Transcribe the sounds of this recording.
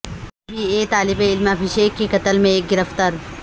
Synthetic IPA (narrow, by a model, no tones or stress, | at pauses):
biːet̪aːlɪbeɪlmɐfiʃeːkːikɐt̪əlmẽeːk̚ɡɪɾəft̪əɾ